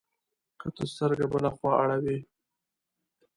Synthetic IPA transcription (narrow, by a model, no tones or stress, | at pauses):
kət̪əst̪əɾɡabəlaxwɑaɽawi